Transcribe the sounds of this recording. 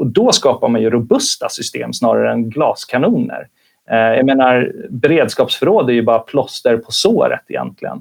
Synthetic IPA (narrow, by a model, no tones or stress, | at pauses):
ɔd̪ɔskɑːpaɾmanjɵɾʊbɵst̪asʏst̪ḛːmsnɑːɾa̰ɾəɛnɡlɑːskʰanuːnə̰ɾ | jaɡmeːnaɾbɛɾeːd̪skɑːpsfœɾoːd̪æɾjɵbɑːɾapʰlɔst̪əɾpʰɔsoːɾə̰t̪ɪjɛ̰nt̪ʰlɪɡə̰n